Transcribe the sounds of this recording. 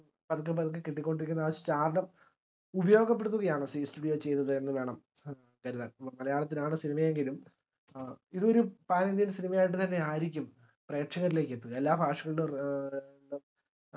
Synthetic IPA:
pɐðukːɨpɐðkːɨkeʈːikʲːo̞ɳɖiɾikʲːunːɐːʋɐst͡ɕaːɾɐɳɐm | ubɐjo̞ːɡɐp̬ːeɽut̪ːuɣɐjaːɳɨsisʈuɽijoːt͡ɕe̞jt̪ːɐðɨe̞nːɨʋe̞ːɳɐm | kɐɾiðɐɐpːɐmːɐlɐjaːɭɐt̪ːinaːɳɨsinimɐjeŋɡilum | iðɨo̞ɾupaːnend̪ijilsinimɐjaːjiʈːɨt̪ɐnːe̞aːjiɾikʲːum | pre̞ːʈʂɐɣɐɾile̞ːkːet̪ːuɣɐelːaːbʱaːʂɐɣɐɭilum

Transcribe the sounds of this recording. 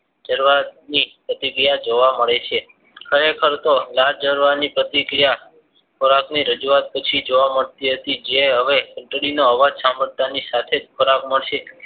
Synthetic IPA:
d͡ʒəɾʋanipɾət̪ikɾijad͡ʒoʋaməɭet͡ʃʰe | kʰəɾekʰəɾt̪olad͡ʒəɾʋanipɾət̪ikɾija | kʰoɾakniɾəd͡ʒuat̪̚pət͡ʃʰid͡ʒoʋaməɭt̪iɦət̪id͡ʒeɦəʋekəɳʈɽinoəʋad͡ʒsaməɽt̪anisat̪ʰed̪kʰəɾakməɭʃe

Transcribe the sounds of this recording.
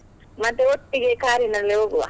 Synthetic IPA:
mɐt̪ːeoʈːiɡekaːɾinɐlːeoɡuʋa̰

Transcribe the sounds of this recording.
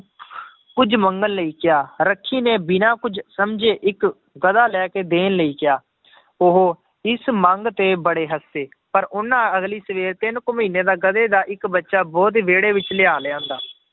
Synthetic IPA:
kʊd͡ʒməŋɡəlləiːkɪjaːɾəkʰːiːneːbɪnãːkʊd͡ʒsəmd͡ʒeːʔɪk | ɡəd̪aːlɛːkeːd̪eːnləiːkɪjaː | oɦoː | ɪsmə̃ŋɡt̪eːbəɽeːɦəsːeː | pəɾʔʊnːãːəɡliːsəʋeːɾt̪ɪnkʊmĩːneːd̪aːɡəd̪eːd̪aːʔɪkbətːʃaːbɔːt̪̬ʋeːɽeːʋɪt͡ʃlɪaːlãːnd̪aː

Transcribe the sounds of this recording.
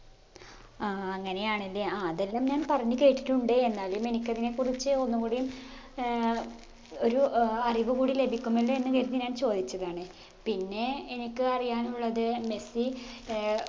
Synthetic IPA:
aɐŋːɐne̞jaːɳɐlːeaːðe̞lːaːmɲaːnpɐrɐɲːɨke̞ːʈːi̥ʈːuɳɖɨe̞nːaːɭjume̞nikʲːɐðine̞kurit͡ɕːɨo̞nːukuɽejum | o̞ɾuɐriʋɨkuːɽile̞bʱikʲːumɐlːoe̞nːɨkɐɾunːiɨɲaːnt͡ɕo̞ːd̪it͡ɕːɐðaːɳɨ | pinːe̞ːnikʲːɨɐrijaːnuɭːɐðɨme̞si

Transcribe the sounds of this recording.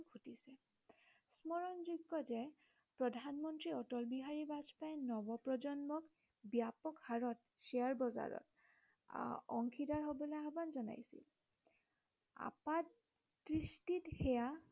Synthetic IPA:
ɡʱutisɛ | smɔɹɔnzuɡɔtɛ | pɹɔdʱanmɔntɹiɔtɔlbiɦaɹibazpajnɔbɔpɹɔzɔnmɔk | bjapɔkhaɹɔt | siaɹbɔza̰ɹɔ̰t | ɔŋkʰidaɹɦobɔlɔjabanzɔna̰jsḭl | a̰pa | dɹistithɛja

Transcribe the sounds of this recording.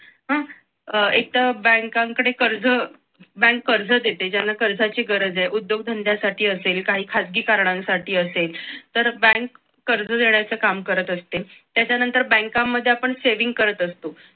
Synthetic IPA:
ɦã | ek̚t̪abɛ̃ŋkaŋkɽ̃ekəɾd͡zə | bɛ̃ŋkːəɾd͡zʱəd̪et̪ed͡ʑanːakəɾd͡zʱat͡ɕiːɡəɾəd͡zeʔud̪joɡd̪ʱənd̪ʱjasaʈiːəselkaɦiːkʰad͡zɡiːkaɾɳãnsaʈiːəselt̪əɾbɛ̃ŋkː | əɾd͡zəd̪eɳjat͡səkamkəɾət̪əst̪et̪jat͡ɕjanənt̪əɾbɛ̃ŋkamːəd̪ʱːeapəɳseʋiŋɡ̚kəɾət̪əst̪o

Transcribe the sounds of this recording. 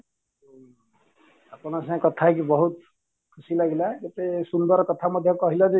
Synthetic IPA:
apɔnasãkɔt̪ʰakibɔɦut̪ | kʰusilaɡilaɡɔt̪esund̪ɔɾkɔt̪ʰamʌd̪ʱjɔkɔɦilɔd͡ʒe

